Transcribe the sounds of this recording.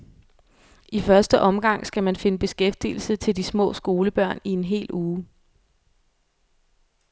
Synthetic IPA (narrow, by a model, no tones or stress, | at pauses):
ifɶɐsd̥əʔɒ̽mɡ̥ɑ̈ŋ̰sɡ̥æmænfe̝nəb̥e̝sɡ̥efd̥ḭːl̩sət͡sʰe̝ld̥ismɔ̰̽ːsɡ̥o̝ːləb̥ɶɐ̰nie̝nɦe̝̰ːluː